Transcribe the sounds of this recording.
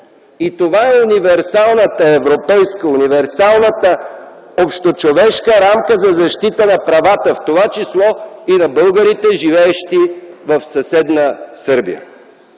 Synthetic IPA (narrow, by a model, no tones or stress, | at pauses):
it̪ovaɛunivɛɾsalˠnət̪əɛvɾopɛjskəunivɛɾsalˠnət̪ə | opʃt̪ot͡ʃovɛʃkəɾamkəzɐzɐʃt̪it̪ənɐpɾɐvat̪əft̪ovat͡ʃislˠɔinɐbɤlˠɡəɾit̪ɛʒivɛɛʃt̪ivəfsɐsɛd̪nəsɤɾbḭjə̰